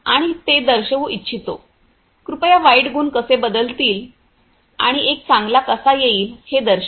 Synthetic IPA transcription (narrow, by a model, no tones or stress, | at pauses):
a̰ɽ̃it̪ed̪əɾɕəʋuʔitːt͡ɕʰit̪o | kɾupəjaʋaiʈɡuːnkəsebəd̪əlt̪iːl | a̰ɽ̃iʔek̚t͡sãŋɡlakəsajeiːlhed̪əɾɕ